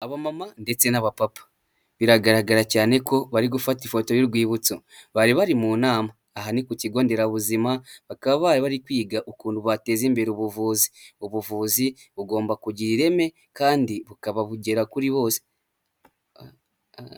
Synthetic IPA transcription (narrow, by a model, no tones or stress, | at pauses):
aβamamande̞t͡se̞naβapapḁ | βiɾaɡaɾaɡaɾacaːne̞ko̞βaɾiɡufatifo̞to̞jiɾɡwiːβut͡so | βaɾiβaɾimuːnaːmaːɦanikuciɡo̞ːnde̞ɾaβuzimaβakaβaβaiβaɾikwiːɡaʔukuːnduβate̞ziːmbe̞ɾiuβuvuːzi̥uβuvuːzi | βuɡo̞ːmbakuɟiɾiɾe̞me̞ | kaːndiβukaβaβuɟe̞ɾakuɾiβo̞ːse̥